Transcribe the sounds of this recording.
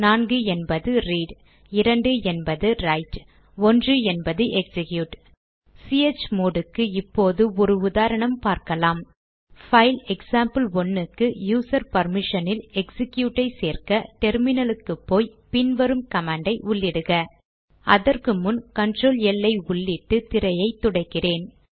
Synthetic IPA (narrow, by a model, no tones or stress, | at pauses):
naːnɡɯɛnbɐðɯɾiːɖ | ɪɾɐɳɖɯɛnbɐðɯɾɐɪʈ | ɔndrɯɛnbɐðɯʔɛksɪkjuːʈ | siet͡ʃːmoːɽɯkːɯɪpːoːðɯɔɾɯʊðaːɾɐɳɐmpaːɾkɐlaːm | fɐɪlɛksaːmpɯlɔnːɯkːɯjuːsɐɾpɐɾmɪʂɐnɪlɛksɪkjuːʈːɐɪseːrkɐʈɛɾmɪnɐlɯkːɯpːoːjpɪnʋɐɾɯmkɐmaːɳɖɐɪʔʊɭːɪɽɯɣɐ | ʔɐðɐrkɯmʊnkɐnʈroːlɛlːɐɪʊɭːɪʈːɯt̪ɪɾɐjɐɪt̪ːʊɽɐɪkːɪreːn